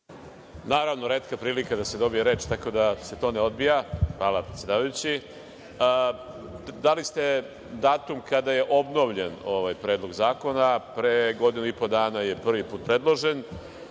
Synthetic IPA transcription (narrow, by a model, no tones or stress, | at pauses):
naːɾaʋno̞ɾeːt̪kapɾiːlikad̪ase̞d̪o̞bijeɾe̞ːt͡ʃt̪ako̞d̪ase̞t̪o̞ːneo̞d̪bijaxʋaːlapɾet̪sjed̪aːʋajut͡ɕi | d̪alist̪e̞ | d̪aːt̪umkad̪aje̞ʔo̞bno̞ʋʎe̞noʋajpɾe̞ːd̪lˠo̞ɡzaːko̞napɾeɡo̞d̪inuipo̞d̪aːnaje̞pr̩ʋipuːt̪̚pɾe̞d̪lˠo̞ʒe̞n